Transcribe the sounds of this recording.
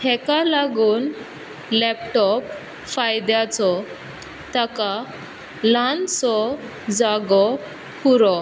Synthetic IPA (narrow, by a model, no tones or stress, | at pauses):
hɛkalaɡuːn | lɛpʈɔp | fajd̪jat͡sɔ | t̪aka | lant͡sɔ | d͡zaɡɔ | puɾɔ